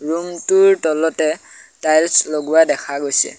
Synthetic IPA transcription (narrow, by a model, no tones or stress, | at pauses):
ɹumtʊɹtɔlɔtɛtajlsloɡuwadɛkʰaɡojsɛ̰